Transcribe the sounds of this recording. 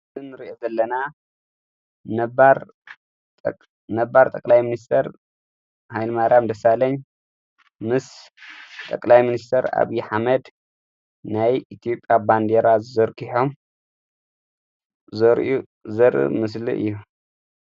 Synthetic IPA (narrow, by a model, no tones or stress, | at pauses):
zɨnːɨɾiʔozɐlːɐna | nɐbaɾ | nɐbaɾt̪ʼɐkʼlajminist̪ʰɐɾ | hajlmaɾamd̪ɐsalɐɲ | mɨs | t̪ʼɐkʼlajminist̪ʰɐɾa̰βiħamɐd̪ | najit̪ʰijo̞pʼjaband̪eɾazɨzɐɾkʰiħom | zɐɾu | zɐɾʔɨ̰mɨs̬lḭʔɨ̰jːu